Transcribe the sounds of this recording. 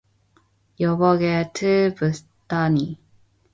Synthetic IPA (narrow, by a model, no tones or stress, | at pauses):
jʌbʌɡetʰɯpɯs | tani